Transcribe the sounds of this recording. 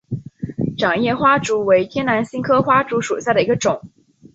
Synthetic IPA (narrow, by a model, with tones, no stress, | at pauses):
ʈ͡ʂɑ˨˩ŋjɛ˥˩xwa˥ʈ͡ʂu˧˥we˧˥ɪt̪ʰjɛ˥nna˧˥nɕi˥ŋkʰɤ˥xwa˥ʈ͡ʂu˧˥ʂu˨˩ɕja˥˩d̪ə˩i˧˥ɡə˧ʈ͡ʂʊ˨˩˦ŋ